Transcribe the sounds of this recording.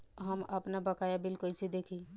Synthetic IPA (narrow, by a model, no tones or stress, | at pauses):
ɦəməpnabəkajabɪlkojsid̪eːkʰi